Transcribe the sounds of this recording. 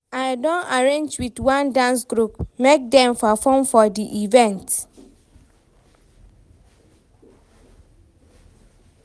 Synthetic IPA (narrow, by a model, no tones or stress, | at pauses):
aɪdɔ̃naɹẽnd͡ʒwitwãndãnsɡɹupmek̚dɛ̃mpafɔ̃mfɔdiʔivɛ̃nt